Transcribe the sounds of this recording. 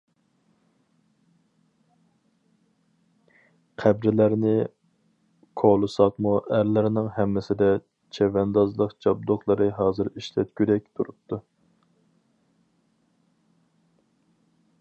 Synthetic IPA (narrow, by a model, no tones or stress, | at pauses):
qʰæbɾɪlæɾnɪ | kʰolˠɨsɑqmuʔæɾlɪɾnɪŋɦɛmːɪsɪd̪ɛ | t͡ʃʰɛvɛnd̪ɑzlˠəqt͡ʃʰɑbd̪oχlˠɨɾɨɦɑːzɨɾiʃlɛt̪̚kʲyɾɛk̚ʲt̪ʰuɾup̚t̪ʰu